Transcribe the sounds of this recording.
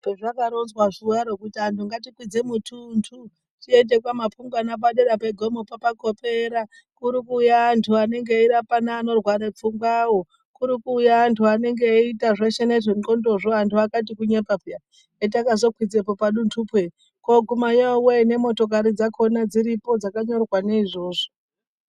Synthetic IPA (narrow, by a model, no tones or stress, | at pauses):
peʐakaɾonzwaʐiaɾokutiantuŋɡatikwid͡ze̞mutʰuntʰu | tiende̞kwamapuŋɡwanap̬aɗeɾapeɡʱo̞mo̞papako̞pe̞ɾa | kuɾikuːjaːntʰuane̞ŋɡe̞iɾapanaːno̞rwaɾep͡fuŋɡwawo | kuɾikuːjaːntʰuane̞ŋɡe̞itaʐeʃeneʐiŋo̞ndo̞ʐoantʰuakat̬ikuɲepapuja | et̬akazo̞kwid͡zepopaɗuntʰupwe | ko̞ɡʱumaɲowene̞mo̞to̞k̬aɾid͡zakʰo̞nad͡ziɾipo̞d͡zakaɲo̞rwaneiʐo̞ːʐo̥